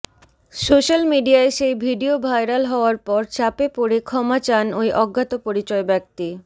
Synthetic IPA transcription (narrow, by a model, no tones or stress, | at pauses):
soʃalmiɖiaeʃejbʱiɖiobʱajɾalɦɔoaɾpɔɾt͡ɕapepoɾekʰɔmat͡ɕanojʔɔɡʱːat̪opoɾit͡ɕɔebɛk̚t̪i